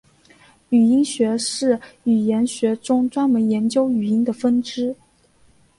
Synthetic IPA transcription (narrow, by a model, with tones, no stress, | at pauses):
y˨˩i˥ŋɕɥɛ˧˥ʂɻ̩˥˩y˨˩jɛ˧˥nɕɥɛ˧˥ʈ͡ʂʊ˥ŋʈ͡ʂwa˥nmə˧˥njɛ˧˥nt͡ɕjo˥ʊy˨˩i˥ŋd̪ə˨fə˥nʈ͡ʂɻ̩˥